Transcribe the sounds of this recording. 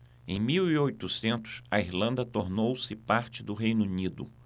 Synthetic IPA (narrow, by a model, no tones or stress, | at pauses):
ẽj̃miwiojt̪usẽnt̪ʊ̥sɐiɾlɐ̃nd̪ɐt̪oɾnowsɪpaɾt͡ʃɪd̪ʊɦejnunid̪ʊ̰